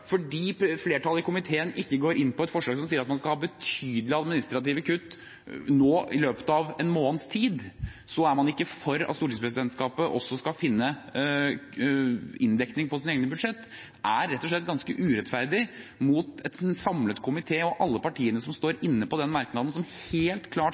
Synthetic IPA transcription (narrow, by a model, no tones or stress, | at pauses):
fɔɖiːfleːʈʰɑlːəɪkʊmɪt̪ʰeːənʔɪkːəɡoːɾɪnːpɔɛt̪fɔʂɭɑɡsɔmsiːəɾɑt̪mɑnskɑlhɑːbət̪ʰyːd̪əlɪɑd̪mɪnɪst̪ɾɑt̪iːʋəkʰʉt̪ː | noːɪ̰løːpə̥t̪ɑʋɛnmoːnst̪ʰiːd̪sɔæɾmɑnɪkːəfœɾɑ̰t̪suːɾʈɪt̪spɾɛsɪd̪ɛnt̪skɑːpəʔɔsːɔskɑfɪnːə | ɪnd̪ɛknɪŋpɔsɪneːɡnəbʉd̪ʂɛt̪ː | ʔæɾːɛt̪ːɔʂɭɛt̪̚ːɡɑnskəʔʉːɾɛt̪fæɾd̪ɪmut̪ɛt̪sɑmlət̪kʰʊmɪt̪ʰeːɔʔɑlːəpɑʈʰiːənəsɔmst̪oːɾɪnːəpɔd̪ɛnmɑɾknɑːd̪n̩sɔmheːlt̪kʰlɑː